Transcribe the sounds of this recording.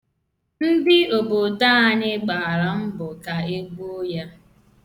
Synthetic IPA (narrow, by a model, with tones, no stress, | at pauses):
n̩˦dɪ˦o˨bʊ˨da˦a˦ɲɪ˦ɡ͡ba˨a˨ɾa˨m̩˦bʊ˨ka˨e˦ɡo˦ja˦